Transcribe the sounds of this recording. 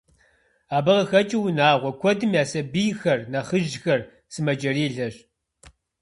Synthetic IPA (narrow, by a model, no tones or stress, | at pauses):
aːbɐʁɐxɐt͡ʃʼiwnaːʁʷɔkʷʰɔdɨmjaːsɐbijxɐrnɐχəʒxɐr | sɨmɐd͡ʒɐriːɮɐɕ